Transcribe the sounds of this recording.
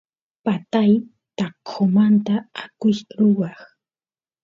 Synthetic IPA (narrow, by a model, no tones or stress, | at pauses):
pat̪aj | t̪aqːomant̪aakʊjɾʊwɑχ